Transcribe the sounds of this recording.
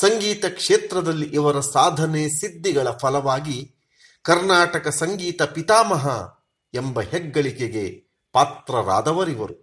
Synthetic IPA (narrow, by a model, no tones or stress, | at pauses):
sɐŋɡiːt̪ɐkʂeːt̪ɾɐd̪ɐlːiʔiʋɐɾɐsaːd̪ʱɐneːsid̪ːiɡɐɭɐpʰɐlɐʋaːɡi | kɐɾnaːʈɐkɐsɐŋɡiːt̪ɐpit̪aːmɐɦɐ̰ | embɐheɡːɐɭikeɡe̞ | paːt̪ɾɐɾa̰ːd̪ɐʋɐɾiʋɐɾu